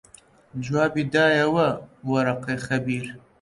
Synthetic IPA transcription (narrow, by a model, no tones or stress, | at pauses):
d͡ʒwɑːbid̪ɑːjɐwɐwɐɾaqejxɐbiːɾ